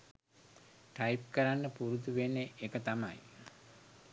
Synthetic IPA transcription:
ʈajip̚kəɾanːəpuɾud̪uʋenːeʔekət̪ama̰j

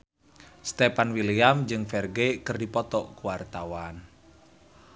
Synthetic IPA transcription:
st̪epanwiliamd͡ʒɨŋfɛrɡekɨrdipɔt̪ɔʔkuwart̪awan

